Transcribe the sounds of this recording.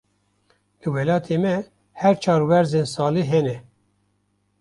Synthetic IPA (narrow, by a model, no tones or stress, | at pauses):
lɨwɛlɑːt̪ʰeːmɛ | hæɾt͡ʃʰɑːɾwɛɾzeːnsɑːliːɦɛnɛ